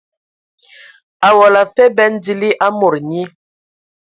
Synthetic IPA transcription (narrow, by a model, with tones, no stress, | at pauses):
a˨wɔ˨la˨fɛ˦bɛ˦n˦di˦li˦ʔa˦mo˨ɾɲi˦